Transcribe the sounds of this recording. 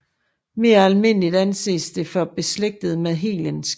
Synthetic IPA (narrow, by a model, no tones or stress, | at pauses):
me̝ːɐælme̝n̰lid̥ænse̝̰ːsd̥e̝fɒ̽b̥e̝sleɡ̥̚d̥ð̩ˠmeðˠɦḛːləns